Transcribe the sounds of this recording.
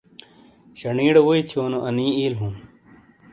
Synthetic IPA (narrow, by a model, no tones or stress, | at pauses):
ɕɐɳiːɽɐwoit̪ʰijoːnoʔɐnĩːiːlɦum